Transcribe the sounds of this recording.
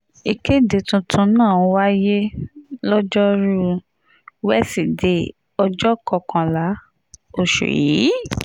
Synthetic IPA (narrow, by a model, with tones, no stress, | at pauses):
i˨ke˦de˨tũ˧tʰũ˧˦nãː˦˨˧wa˦je˦lɔ˦d͡ʒɔ˦ɾu˦ | wɛ˦si˨de˨˦ | ɔ˧d͡ʒɔ˦kɔ˧˨kʰã˧la˨˦ | o˦˨ʃṵ˨jḭ˨˦